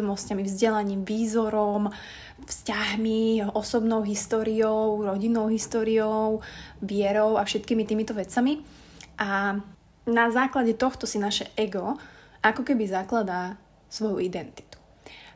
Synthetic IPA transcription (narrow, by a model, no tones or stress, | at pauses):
ɔmnɔscamivzɟɛlaɲiːmʋiːzɔɾɔm | fscaɦmiɔsɔbnɔʊɦist̪ɔːɾiɔʊɾɔɟinɔʊɦist̪ɔːɾiɔʊʋɪɛɾɔʊafʃɛt̪kiːmit̪iːmit̪ɔʋɛt͡sami | ʔa | nazaːklaɟɛt̪ɔxt̪ɔsinaʃɛʔɛɡɔ | ʔakɔkɛbizaklad̪a | sʋɔjuid̪ɛnt̪i̥t̪u̥